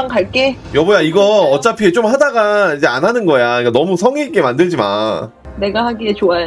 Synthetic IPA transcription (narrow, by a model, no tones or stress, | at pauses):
ŋkaɭk͈e̞ | jʌbojaiɡʌːt͡ɕ͈apʰiet͡ɕ͈omhadaɡaid͡ʑe̞anɦanɯnɡʌjaik͈anʌmusʰʌŋiːk͈e̞mandɯɭd͡ʑima̰ | ne̞ɡahaɡiet͡ɕoa